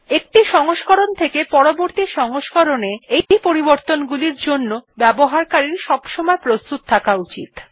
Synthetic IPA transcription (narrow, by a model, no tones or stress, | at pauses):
ek̚ʈiʃɔŋoʃkoɾont̪ʰekepɔɾoboɾt̪iʃɔŋoʃkɔɾoneejipoɾiboɾt̪onɡuliɾd͡ʑonːobɛboɦaɾkaɾiɾʃɔbʃomɔepɾost̪ut̪̚t̪ʰːakaut͡ɕḭt̪